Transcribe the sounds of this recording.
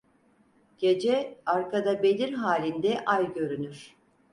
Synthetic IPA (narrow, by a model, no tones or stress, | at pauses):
ɟ̥e̞d͡ʒɛaɾkʰad̪abe̞lʲiɾɦaːlʲind̪ɛʔajɟø̞ɾynyɾ̥